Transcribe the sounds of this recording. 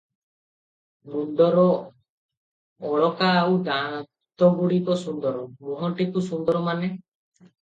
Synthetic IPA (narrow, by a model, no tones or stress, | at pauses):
nund̪ɔɾɔ | ɭɔkaawd̪a | t̪ɔɡuɽikɔsund̪ɔɾɔmɔɦɔʈikusund̪ɔɾɔmane